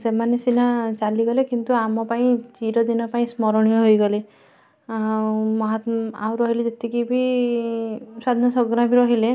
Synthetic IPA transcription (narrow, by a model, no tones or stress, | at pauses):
semanesinat͡ʃaliɡɔlekint̪uamɔpaĩt͡ʃiɾɔd̪inɔpaĩsmɔɾɔɽ̃ijɔɦojɡɔle | awmɔɦɔt̪a̰wɾɔɦiled͡ʒet̪ekibʱi | sad̪ʱnɔsɔɡɾabʱiɾɔɦile